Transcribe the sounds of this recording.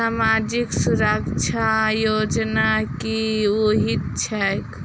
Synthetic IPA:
amad͡ʒiksuɾəkt͡ʃʰajod͡ʒnakioɦit̪t͡ʃʰɛk

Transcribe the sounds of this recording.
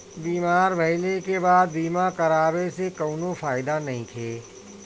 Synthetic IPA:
biːmaːɾbɐɪlekebaːd̪̚biːmakɐɾaːbesekoːnõfaːɪd̪anɐɦĩk̪ʰeː

